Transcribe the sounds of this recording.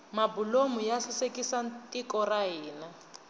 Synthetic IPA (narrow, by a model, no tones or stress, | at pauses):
mabulomujaɬɪsekisantʼikɔraɦiːnɛ